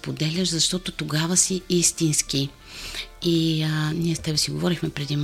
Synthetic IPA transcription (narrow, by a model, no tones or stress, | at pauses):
pod̪ɛlʲəʃzɐʃt̪ɔt̪ot̪oɡavəsiist̪inski | iniɛst̪ɛbɛsiɡovɔɾixmɛpɾɛd̪im